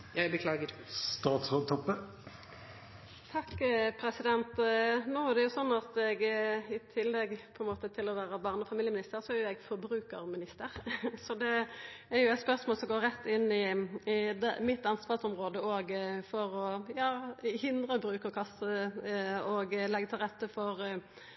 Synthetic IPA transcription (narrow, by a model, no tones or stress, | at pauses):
jbəkʰlɑːɡə | st̪ɑːt̪sʁɑt̪ʰɔpːə | t̪ʰɑkːpʰɾɛsɪd̪ɛnt̪noːæʁd̪ɛjʊsɔnːɑt̪ɛɡɪt̪ʰɪlːɛɡpʰɔɛnmoːt̪ət̪ʰɪlɔʋæːɾəbɑʁnɔfɑmiːljəmɪnɪst̪əɾsɔæɾjʊɛɡfɔɾbɾʉːkəɾmɪnɪst̪əʁsɔd̪ɛːɾjʊɛɪt̪spœʁsmoːlsɔmɡoːʁɛt̪ːɪnːɪɪd̪mɪt̪ːɑnsʋɑːsɔmʁoːd̪əoːɡfɔʁɔjɑːhɪnd̪ʁəbɾʉːkəɔkʰɑsə | ɔɡlɛɡːət̪ʰɪlʁɛt̪ːəfɔʁ